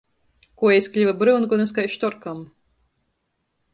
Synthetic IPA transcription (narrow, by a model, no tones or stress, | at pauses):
kuɔɛjsklʲivɐbɾɨnkɔnɛskajʃt̪ɔɾkam